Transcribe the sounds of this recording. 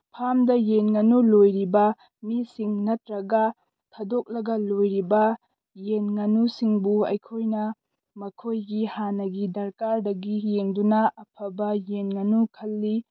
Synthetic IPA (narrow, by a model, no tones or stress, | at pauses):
pʰamdɐjenŋɐnulojɾibɐ | misiŋnɐtɾɐɡɐ | tʰɐdok̚lɐɡɐlojɾibɐ | jenŋɐnusiŋbuɐ̰jkʰojnɐ | mɐkʰojɡihanɐɡidɐɾkaɾdɐɡijeŋdunɐɐpʰɐbɐjenŋɐnukʰɐlːi